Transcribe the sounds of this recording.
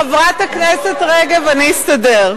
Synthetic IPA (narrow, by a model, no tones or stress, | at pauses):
avʁat̪aknɛset̪ʁeɡaveanijist̪ɐdeʁ